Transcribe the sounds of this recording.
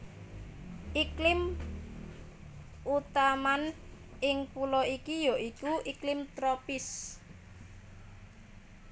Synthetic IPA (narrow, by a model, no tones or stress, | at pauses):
ʔiklɪm | ʔut̪aman | ʔɪŋpulɔikijoʔikuʔiklɪmt̪ɾɔpɪs